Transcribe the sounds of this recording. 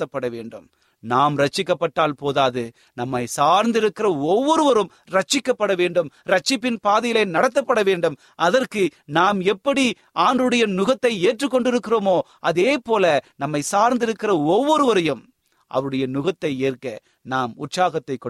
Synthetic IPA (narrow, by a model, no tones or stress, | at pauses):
ɐpːɐɽɐʋeːɳɖɯm | naːmɾɐt͡ʃːɪkːɐpːɐʈːaːlpoːðaːðɯ | nɐmːɐɪsaːɾnd̪ɪɾɯkːɪɾɐɔʋːɔɾɯʋɐɾɯm | ɾɐt͡ʃːɪkːɐpːɐɽɐʋeːɳɖɯmɾɐt͡ʃːɪpːɪnpaːðɐjɪlɐɪnɐɽɐt̪̬ːɐpːɐɽɐʋeːɳɖɯm | ʔɐðɐrkɯnaːmɛpːɐɽi | aːndrɯɽɐjɐnʊɣɐt̪ːɐɪeːʈrɯkːɔɳɖɪɾɯkːɪroːmoː | ʔɐðeːpoːlɐnɐmːɐɪsaːɾnd̪ɪɾɯkːɪɾɐɔʋːɔɾɯʋɐɾɐjɯm | ʔɐ̰ʋɐɯɽɐjɐnʊɣɐt̪ːɐɪeːrkɐ | naːmʊʈsaːɣɐt̪ːɐɪkːɔ